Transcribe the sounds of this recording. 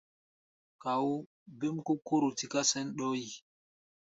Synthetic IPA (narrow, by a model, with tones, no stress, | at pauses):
ka˨w | be˦mko˦kːo˦ɾo˨ti˨ka˦sɛ˦nɗɔ˦ji˨